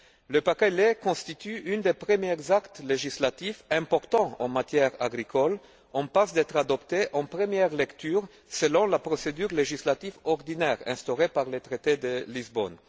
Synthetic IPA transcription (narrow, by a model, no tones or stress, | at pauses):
ləpakɛlekɔ̃st̪it̪yynd̪epχəmjɛʁzakt̪leʒislat̪ifɛ̃pɔʁt̪ɑ̃ɑ̰̃mat̪jɛʁaɡʁikɔl | ɑ̃pasd̪ɛt̪χad̪ɔpt̪eʔɑ̃pχəmjɛʁlɛkt̪yʁ | səlɔ̃lapχɔsed̪yʁleʒislat̪ifɔʁd̪inɛʁɛ̰̃st̪ɔʁepaʁlet̪χet̪ed̪əlizbɔ̰n